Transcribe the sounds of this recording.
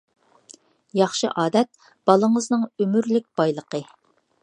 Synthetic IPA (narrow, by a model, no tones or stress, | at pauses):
jɑχʃɨʔɑːd̪ɛt̪̚ | b̥ɑlˠəŋəznɨŋømyɾlɪk̚ʲb̥ɑjlˠəqə